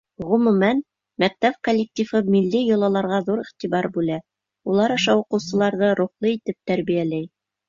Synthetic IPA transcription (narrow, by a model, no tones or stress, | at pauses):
ʁɵ̆mʉ̆mæn | mæk̚t̪æp̚kolʲːek̚t̪ʲifɤmilːijŏlˠɑlˠɑɾʁɑðuɾiχt̪ibɑɾbʉlæ | ulˠɑɾɑ̆ʃɑuqɤ̆wsɤ̆lˠɑɾðɤɾuχlˠɤit̪ɘp̚t̪æɾβijælæj